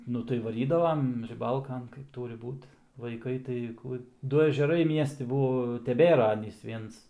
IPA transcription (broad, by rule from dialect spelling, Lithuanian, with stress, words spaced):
ˈnʊ tɐɪ ʋɐˈrʲiːdɐʋɐm rʲɪˈbɐlˠkɐn kɐɪp ˈtuːrʲɪ ˈbuːt ʋɐɪˈkɐɪ tɐɪ ˈkʊ ˈdʊ ɛʒʲɛˈrɐɪ ˈmʲiɛsʲtʲɪ ˈbuɔ tʲɛˈbʲeːrɐ ˈɑːnʲiːs ˈʋʲiɛns